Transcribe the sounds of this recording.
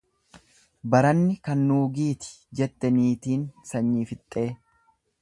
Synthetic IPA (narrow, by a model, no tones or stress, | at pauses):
bɐɾɐnːɪkɐnːuːɡiːt̪ɪ̥d͡ʒɛt̪ːɛniːt̪iːnsɐɲːiːfɪt̪ʼːe̞ː